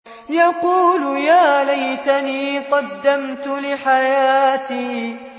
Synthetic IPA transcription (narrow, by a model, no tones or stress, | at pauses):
jɑquːljaːlajt̪aniːqɑd̪ːamt̪ʊlɪħajaːt̪iː